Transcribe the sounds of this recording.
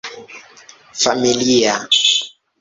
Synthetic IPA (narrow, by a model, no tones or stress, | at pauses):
familija